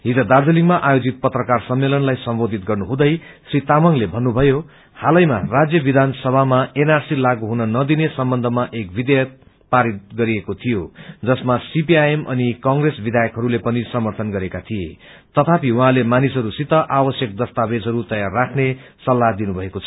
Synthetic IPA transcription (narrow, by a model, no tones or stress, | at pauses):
ɦid͡zʌd̪ard̪ʱeliŋɡmaʔajod͡zit̪̚pʌt̪rʌkarsʌmːelʌnlajsʌmbod̪ʱit̪ɡʌrnuɦũd̪ʌjsrit̪amʌŋlebʱʌnːubʱʌjo | halʌjma̰rad͡zjʌbid̪ʱansʌbʱamaenarsilaɡuɦunʌnʌd̪inesʌmbʌnd̪ʱʌmaʔek̚bid̪ejʌt̪̚ | paɾit̪̚ɡʌɾiekot̪ʰijod͡zʌsmasipiajemʔʌ̰nikʌŋɡresbid̪ʱajʌkɦʌɾulepʌnisʌmʌrt̪ʰʌnɡʌɾekat̪ʰiḛ | t̪ʌt̪ʰapiuɦãlemanisɦʌɾusit̪ːʌʔawʌsjʌk̚d̪ʌst̪abed͡zɦʌɾut̪ʌjarːakʰnesʌlːad̪inubʱʌekot͡sʰʌ̥